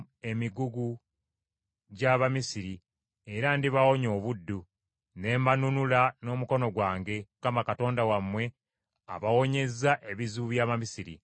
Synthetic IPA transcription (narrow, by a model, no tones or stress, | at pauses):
e̞miɡuɡu | ɟaβamisiɾi | e̞ɾandiβawo̞ɲo̞ːβudːu | ne̞ːmanunulano̞ːmuko̞no̞ɡwaːŋɡe̞kamakato̞ːndawamwe̞ | a̰βawo̞ɲe̞zːaʔe̞βizuβuβjaːβamisiɾḭ